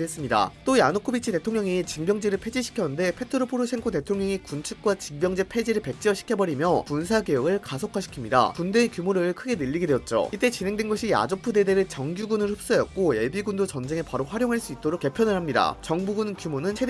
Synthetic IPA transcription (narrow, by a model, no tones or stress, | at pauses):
es͈ɯmɲida̰t͈ojanok͈ʰobit͡ɕʰite̞tʰoŋɲʌŋit͡ɕimbjʌŋd͡ʑeɾɯɭpʰe̞d͡ʑiɕʰi̥kʰjʌnɯnde̞pʰe̞tʰɯɾopʰoɾoɕʰeŋkʰot̬etʰoŋɲʌŋikunt͡ɕʰuk̚k͈wat͡ɕimbjʌŋd͡ʑepʰe̞d͡ʑiɾɯɭpe̞k̚t͡ɕ͈iʌɕʰi̥kʰjʌbʌɾimjʌpuns̬ʰaɡejoɡɯɭkasʰokʰaɕʰi̥kʰimɲida̰kunde̞ːkjumoɾɯɭkʰɯɡe̞nɯʎːiɡedweʌt̚t͡ɕ͈o̰it͈e̞t͡ɕine̞ŋdwenɡʌɕʰija̰d͡ʑopʰude̞deɾɯt͡ɕʌŋɡjuɡunɯɭhɸɯp̚s͈ʌjʌt̚k͈ojeɭbiɡundot͡ɕʌnd͡ʑe̞ŋepaɾoɸwaɾjoŋɦaɭs͈uit͈oɾok͈ːe̞pʰjʌnɯɭhamɲida̰t͡ɕʌŋbuɡunkjumonɯnsʰe